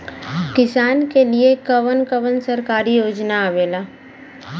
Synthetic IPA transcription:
kɪsaːnkeliekɐʋənkəʋənsɐɾkaːɾijoːd͡ʒnaːʋeːlaː

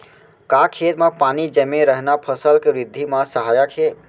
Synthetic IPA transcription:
kakʰet̪mãpaːnid͡ʒəmeɾəɦnapʰəsəlkeʋɾɪd̪ʱːimãsəɦaːjakʰe

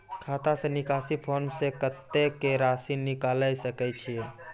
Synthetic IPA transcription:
kʰat̪asẽnikasipʰonsekət̪ːekeɾasinːikaləjsəkɛt͡ʃʰie

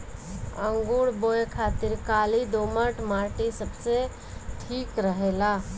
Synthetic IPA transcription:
əŋɡuɽbojkʰat̪iɾkalid̪oməʈmaʈisəbse | ʈʰikɾəɦela

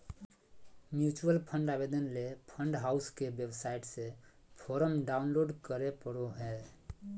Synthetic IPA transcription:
mjut͡ʃuəlpʰə̃ɳɖabed̪ənlepʰəɳɖɦaʊskebjebsaiʈse | pʰoɾəmɖaunloɖkəɾepəɽoɦɛ

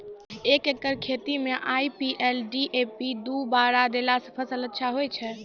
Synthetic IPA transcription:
ekekəɾkʰet̪imeʔajpiʔelɖiʔepid̪ubaɾad̪elasəpʰəsələtːʃʰaɦojt͡ʃʰɛ

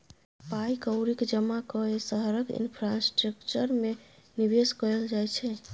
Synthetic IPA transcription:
pajkəwɾikd͡ʒəmakɔesəɦəɾəkḭnpʰɾasʈɾəkt͡ʃəɾmenibeskəeld͡ʒajt͡ʃʰɛ

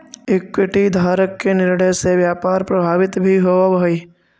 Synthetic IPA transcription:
ɪkwɪʈid̪ʱaːɾəkːenɪɾɽəjseʋjaːpaːɾpɾɐbʱaːʋɪt̪bʱiɦoabɐi

